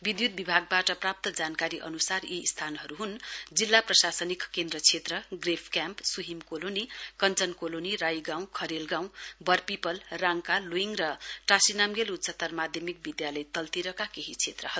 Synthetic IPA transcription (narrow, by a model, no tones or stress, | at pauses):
bid̪jud̪̚bibʱaɡ̚baʈʌprap̚t̪ʌd͡zankaɾiʔʌ̰nusarist̪ʰanɦʌɾuɦund͡zilːaprʌsasʌnikkend̪rʌt͡sʰet̪rʌɡrepʰkjampsuɦimkolonikʌnt͡sʌnkolonirajɡãw̃kʰʌɾelɡãw̃bʌrpipʌlraŋkaluiŋrʌʈasinamɡelut̪sʌt̪ʌrmad̪ʱjʌmik̚bid̪jalʌjt̪ʌlt̪iɾʌkakeɦit͡sʰet̪rʌɦʌ